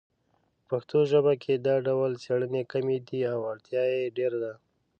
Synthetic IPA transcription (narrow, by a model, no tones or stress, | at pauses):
paxt̪oʒəbakʰed̪ɑɖawlseɽənekamed̪iawaɽt̪jɑjeɖeɾad̪a